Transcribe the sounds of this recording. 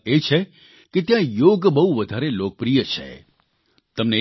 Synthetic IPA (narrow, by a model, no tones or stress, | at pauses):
et͡ʃʰe | ket̪jãjoɡbəɦuʋəd̪ʱaɾelok̚pɾijət͡ʃʰḛ | t̪əmne